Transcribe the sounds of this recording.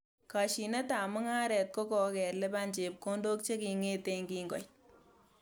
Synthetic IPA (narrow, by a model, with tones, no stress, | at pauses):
ka˨ʃi˨ne˦ta˨mʊ˦ŋaː˦ɾɛ˨t̚ko˦kɔ˧kɛ˨rle˦pa˦nd͡ʒe˨p̚ko˦ndoː˦k̚t͡ʃe˦ki˨ŋeː˦te˧ŋɡi˦ŋɡɔ̰˨